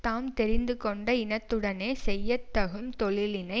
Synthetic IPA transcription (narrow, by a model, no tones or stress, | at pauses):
t̪aːmt̪ɛɾɪnd̪ɯkɔɳɖɐɪnɐt̪ːɯɽɐneːsɛjːɐt̪ːɐɣɯmt̪ɔɭɪlɪnɐɪ